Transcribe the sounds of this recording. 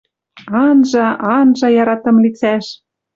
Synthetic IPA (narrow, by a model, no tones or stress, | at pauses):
ɑnʒɑʔɑnʒɑjɑɾɑt̪ɤ̆mlit͡sæʃ